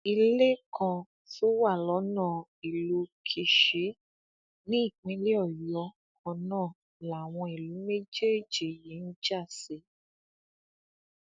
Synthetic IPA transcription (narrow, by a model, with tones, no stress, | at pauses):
i˧le˦kʰã˧ | to˦wa˦˨lɔ˨˦nãː˦˨ | i˨lu˨˧kʰi˨ʃi˨˦ | nĩ˦i˦˨k͡pĩ˨˦le˦ɔ˦˨jɔ˧ | kɔ̃˧nãː˦˨ | la˨w̃ɔ̃˧i˨lu˨˦me˦d͡ʒe˦˨d͡ʒi˨ji˨˦n̩˦d͡ʒa˦˨se˧˦